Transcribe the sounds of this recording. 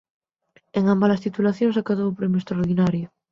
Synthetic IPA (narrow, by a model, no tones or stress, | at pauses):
eŋambalast̪it̪ulaθjõŋsakaðowpɾemjʊest̪ɾaoɾð̞inaɾjʊ